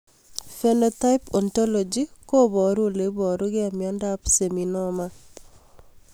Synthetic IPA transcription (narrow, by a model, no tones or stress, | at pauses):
fenɔtajpɔntɔlɔd͡ʒikobɔɾulebɔɾuɡɪamjandapseminɔma